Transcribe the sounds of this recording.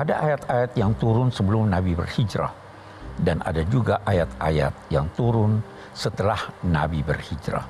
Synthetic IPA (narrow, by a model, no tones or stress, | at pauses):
ʔadaʔajat̪ajat̪jaŋt̪uɾʊnsəbəlʊmnabibə̰rhid͡ʒɾa̰h | dana̰dad͡ʒuɡaʔajat̪aja̰t̪̚jaŋt̪uɾʊn | sət̪əlahnabibə̰rhid͡ʒɾa̰